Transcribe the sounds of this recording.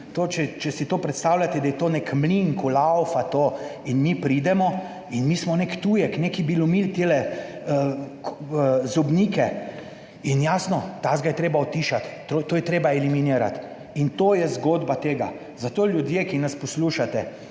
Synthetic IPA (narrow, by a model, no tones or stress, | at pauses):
t̪oːt͡ʃɛt͡ʃɛsit̪oːpɾɛt̪st̪aːwlʲat̪ɛd̪ajɛt̪oːnekmliŋkulawfat̪oːinmipɾid̪ɛmɔ | inmiːsmɔnekt̪uːjɛkneːkibilumilt̪eːlɛ | zɔbnikɛ | injaːsnɔt̪azɡajɛt̪ɾeːbaɔt̪ːiːʃat̪ːot̪oːjɛt̪ɾeːbaɛliminiːɾa̰t̪ | int̪oːjɛzɡod̪bat̪eːɡa̰ | zat̪oːlʲjud̪jekinaspɔsluʃat̪ɛ